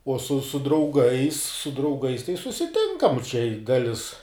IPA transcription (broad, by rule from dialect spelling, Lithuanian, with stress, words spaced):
uɔ sʊ sʊ drɐʊˈɡɐɪs sʊ drɐʊˈɡɐɪs tɐɪ sʊsʲɪˈtʲɪŋkɐm t͡ʃʲɛ ɪ ˈdɑːlʲɪs